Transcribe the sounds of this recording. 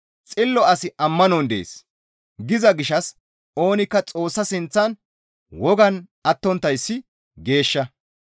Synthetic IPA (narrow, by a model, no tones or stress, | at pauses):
t͡sʼɪlːɔɐsɪʔɐmːɐnɔnd̪ḛːs | ɡɪzɐɡɪʃɐs | o̞ːnɪkːɐt͡sʼo̞ːsːɐsɪnt͡sːɐn | wɔɡɐnɐt̪ːɔnt̪ːɐjsːɪ | ɡe̞ːʃːɐ